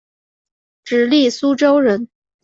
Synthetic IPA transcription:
ʈ͡ʂɻ̩˨˥li˥˩su˥ʈ͡ʂo˥ʊɻə˧˥n

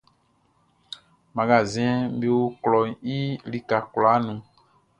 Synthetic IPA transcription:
mã˨ɡa˨zɛ̃˦be˦wo˦klɔ˨i˦li˦ka˨kla˨˦nũ˨

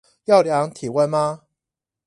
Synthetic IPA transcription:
jɑ˥˨ʊljɑ˧˦ŋt̪ʰi˨˩wə˥˧nma˧

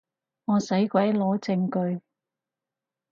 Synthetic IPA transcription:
ŋɔː˨˧sɐ˨˥jkʷwɐ˨˥jlɔː˨˥t͡sɪ˧ŋkɵ˧ɥ

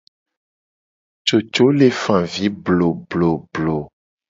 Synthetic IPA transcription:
t͡ʃo˨t͡ʃo˦le˨fã˨vi˨˦blo˨blo˨blo˨

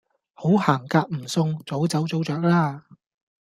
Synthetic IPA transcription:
ho˨˥whaː˨˩ŋkaː˧k̚m̩˨˩sʊ˧ŋt͡so˨˥wt͡sɐ˨˥wt͡so˨˥wt͡sœː˨k̚laː˥

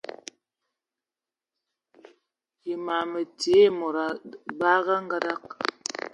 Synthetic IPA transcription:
ji˨ma˨mə˨te˨˦˨mo˨ɾa˨ba˦ɣa˦ŋ˦ɡa˦da˦k̚

